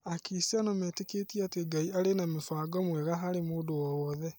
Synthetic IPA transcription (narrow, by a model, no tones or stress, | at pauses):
akisianɔmɛːteketieateɡaiaɾenamefaːɡɔmwɛɣaɦaɾemoːdowɔwɔðɛ